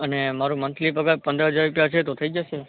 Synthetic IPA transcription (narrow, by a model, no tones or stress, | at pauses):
ənemaɾũmənt̪ʰlipəɡapənd̪əɦəd͡ʒaɾɾupjat͡ʃʰet̪ot̪ʰəid͡ʒəʃe